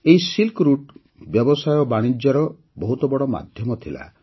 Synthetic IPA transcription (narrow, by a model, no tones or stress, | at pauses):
eisilkɾuʈ | bjɔbɔsajɔbaɽ̃id͡ʒjɔɾɔ | bɔɦut̪ɔbɔɽɔma̰d̪ʱjɔmɔt̪ʰila̰